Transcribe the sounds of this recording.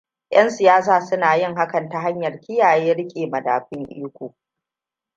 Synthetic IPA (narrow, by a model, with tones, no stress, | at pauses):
j̰ʔɐ˦nsɪ˨jaː˦s̬aː˨sʊ˦naː˨jɪ˦˨ŋɦa˦kɐ˨nta˦ɦa˦ɲjɐ˨rkʲɪ˦jaː˨jeː˦ɽɪ˦kʲʼeː˨mɐ˨da̰ː˨ɸɪ˦ŋʔḭː˦kʷoː˨